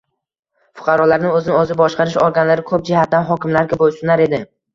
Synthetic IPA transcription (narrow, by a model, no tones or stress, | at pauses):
fʊ̥qʰɑɾɒlaɾnɪŋɵzɪnɪɵzɪbɒʃqʰɑɾɪʃoɾɡʲanlaɾɪkʰɵp̚d͡ʒɪhat̪̚d̪anɦɒkʲɪmlaɾɡʲabojsʊnaɾe̞d̪ɪ